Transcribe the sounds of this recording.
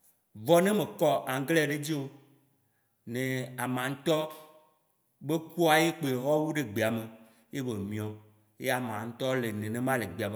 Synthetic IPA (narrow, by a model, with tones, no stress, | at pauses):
vɔ˦nẽ˦mẽ˨kɔ˦ʔa˨ŋɡle˦a˨ɖe˦d͡ʑi˦wo˦ | nẽ˨a˨mã˨ŋ̩˦t̪ɔ˦ | be˦ku˦a˨je˦k͡pe˨ɦɔ˦wu˦ɖe˨ɡ͡be˨a˨me˨ | je˦be˨mĩ˨ɔ̃˨ | je˦a˨mã˨ŋ̩˦t̪ɔ˦le˨nẽ˨nẽ˨mã˦le˨ɡ͡be˨a˨be˦˨